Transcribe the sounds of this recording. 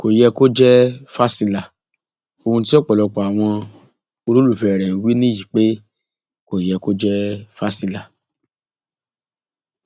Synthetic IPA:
ko˨jɛ˧ko˦d͡ʒɛ˦fa˦si˧la˨ | o˧hũ˧t̬i˦ɔ˦˨k͡pɔ˨lɔ˧k͡pɔ˨a˨w̃ɔ̃˧ | o˧lu˦lu˦˨fɛ˨ɾɛ̃˨˦wi˦nĩ˦ji˨k͡pe˦ | ko˨jɛ˧ko˦d͡ʒɛ˦fa˦si˧la˨

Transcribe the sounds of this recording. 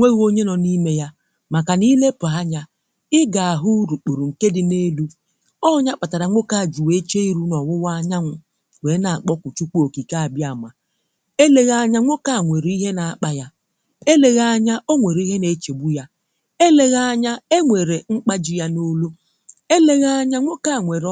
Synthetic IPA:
ŋʷe˦ɣo˦ɲe˦nɔ˨ni˦me˦ja˦ | ma˨ka˨ni˦le˦pʊ˨a˦ɲa˦ | ɪ˦ɡa˨a˨ɦʊ˦ɾu˨k͡pu˨ɾu˨ŋ̩˨ke˦dɪ˨ne˦lu˦ | ɔ˦ɲa˦k͡pa˨ta˨ɾa˨ŋʷo˦ka˦a˨d͡ʒu˨we˦t͡ʃe˦i˦ɾu˦nɔ˨wʊ˦wa˦ɲa˦ŋʷʊ˦ | we˨˦na˨a˨k͡pɔ˦kʷu˨t͡ʃu˦k͡pu˦o˨ki˨ka˦a˨bja˨ma˨ | e˦le˦ɣa˦ɲa˦ŋʷo˦ka˨ŋʷe˨ɾi˦ɦe˦na˨a˦k͡pa˦ja˦ | e˦le˨ɣa˦ɲa˦ʔo˦ŋʷe˨ɾi˦ɦe˦ne˨˦t͡ʃe˨bu˦ja˦ | e˦le˦ɣa˦ɲa˦e˦ŋʷe˨ɾe˨ŋ͡m̩˦k͡pa˦d͡ʒɪ˦ja˦no˦lu˦ | e˦le˦ɣa˦ɲa˦ŋʷo˦ka˨ŋʷe˨ɾ

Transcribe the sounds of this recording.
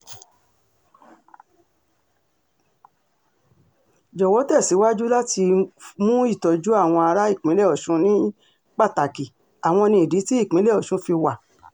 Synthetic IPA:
d͡ʒɔ˨wɔ˨˦tɛ˦˨si˨˦wa˦d͡ʒu˦la˦ti˧mũ˦i˦˨tɔ˨˧d͡ʒu˦a˦˨w̃ɔ̃˧a˧ɾa˦i˦˨k͡pĩ˨˦lɛ˦˨ɔ˨ʃũ˨˦nĩ˦ | k͡pa˦˨ta˨ki˨ | a˨w̃ɔ̃˧nĩ˧i˨di˨˦ti˦i˦˨k͡pĩ˨˦lɛ˦˨ɔ˨ʃũ˨˦fi˧wa˨

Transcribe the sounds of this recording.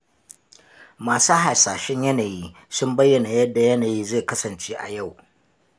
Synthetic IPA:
maː˨suː˦ɦa˨saː˨ʃɛ˦ɲjɐ˦naː˨jiː˦ | sʊ˦mbɐ˦jːɐ˨na˨jɐ˦dːa˨jɐ˦naː˨jiː˦zeː˦˨kɐ˦sɐ˨nt͡ʃeː˦ʔa̰˨ja˦˨w

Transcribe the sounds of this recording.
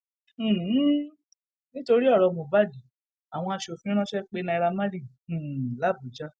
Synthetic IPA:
nĩ˦to˧ɾi˦ɔ˦˨ɾɔ˨˧mo˨ba˦˨di˨˦ | a˨w̃ɔ̃˧a˧ʃo˨fĩ˦ĩ˦ɾã˦ʃɛ˦k͡pe˦nã˧ɾa˧mã˦ɾĩ˦˨ | la˨˦˨bu˨d͡ʒa˦

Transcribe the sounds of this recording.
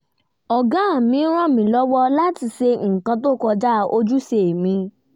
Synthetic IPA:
ɔ˨ɡã˨˦a˦˨mĩ˧˦ɾ̃ã˦˨mĩ˨˦lɔ˦wɔ˦la˦ti˧se˧ŋ̩˨kã˧to˦˨kɔ˧d͡ʒa˦˧o˧d͡ʒu˦se˨mĩ˧˦

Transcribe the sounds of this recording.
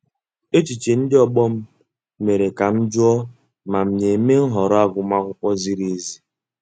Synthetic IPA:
e˦t͡ʃi˨t͡ʃe˨n̩˦dɪ˦ɔ˦ɡ͡bɔ˦m̩˦ | me˨ɾe˨ka˨m̩˦d͡ʒʊ˦ɔ˦ | ma˨m̩˦˨ɲe˨me˦ŋ̩˦ɦɔ˨ɾɔ˦a˦ɡʷʊ˨ma˦kʷʊ˦kʷɔ˦zi˦ɾe˦˨e˦zi˦

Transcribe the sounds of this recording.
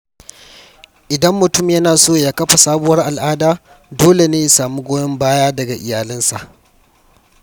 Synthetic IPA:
ʔɪ˨dɐ˦mːʊ˨tʊ˦mjɐ˦naː˨soː˦jaː˦kɐ˦ɸa˨saː˦bʊ˦wɐ˦rʔa˨lʔaː˦daː˦ | doː˦le˨neː˦ji˨saː˨mu˦ɡʷoː˦jɐ˦mbaː˦jaː˦dɐ˨ɡa˨ʔɪ˨jaː˨lɪ˦nsa˨ʔ

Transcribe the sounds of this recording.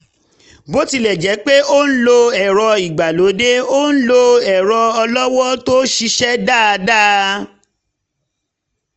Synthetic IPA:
bo˦ti˧lɛ˨d͡ʒɛ˨˦k͡pe˦o˦n̩˦lo˧ɛ˨ɾɔ˧i˨ɡ͡ba˨lo˨˦de˦o˦ñ̩˦lo˧ɛ˨ɾɔ˧ɔ˧lɔ˦wɔ˦to˦ʃi˧ʃɛ˦da˦˨˧da˦

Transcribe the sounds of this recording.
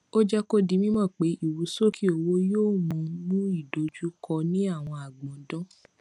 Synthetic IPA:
o˦d͡ʒɛ˦ko˦di˧mĩ˦mɔ̃˦˨k͡pe˨˦ʔi˦˨wu˨˦so˦˨kʰi˦o˨wo˦joː˦˨mõ˨˦mũ˦i˦˨do˨d͡ʒu˦kɔ˧nĩ˦a˦˨w̃ɔ̃˧a˨ɡ͡bɔ̃˨dɔ̃˦

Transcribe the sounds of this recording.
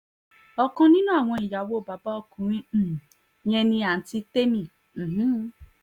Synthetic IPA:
ɔ˧kɔ̃˧nĩ˦nũ˦a˦˨w̃ɔ̃˧i˨ja˨wo˦˨ba˨ba˦ɔ˦˨kũ˨˦ɾ̃ĩ˦˨ | j̃ɛ̃˧nĩ˧a˨n̩˨ti˧te˦mĩ˦˨ | ɦ̩˦

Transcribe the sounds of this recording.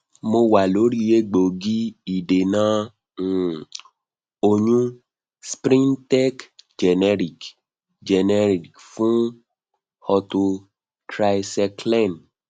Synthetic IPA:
mo˧wa˨lo˨˦ɾi˦je˦ɡ͡bo˨ɡi˦i˨de˨nã˨˦˨ | o˧ɲũ˦ | spɾĩ˦ntɛ˦kd͡ʒɛ˨nɛ˧ɾi˨k | d͡ʒɛ˨nɛ˧ɾi˨kfũ˦ | hɔ˧to˧ | tɾa˧jsɛ˧klɛ˦˨n

